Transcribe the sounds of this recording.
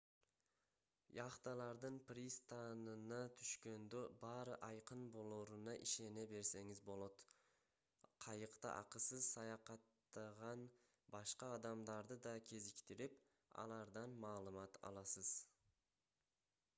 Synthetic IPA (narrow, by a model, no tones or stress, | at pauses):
jɑχt̪ɑlˠɑɾd̪ɯnpɾʲist̪anɯnɑt̪ʰyʃkø̞nd̪øbɑːɾɯʔɑjqɯnbo̞lˠoːɾunɑʔiʃe̞ne̞be̞ɾse̞ŋizbo̞lˠo̞t̪ | qʰɑjɯqt̪ɑ̰ʔɑ̰qɯsɯzsɑjɑqɑt̪ːɑʁɑn | bɑʃqɑːd̪ɑmd̪ɑɾd̪ɯd̪ɑkʲʰe̞zikt̪iɾip | ɑ̰lˠɑɾd̪ɑnmɑːlˠɯmɑt̪ɑ̰lˠɑsɯz̥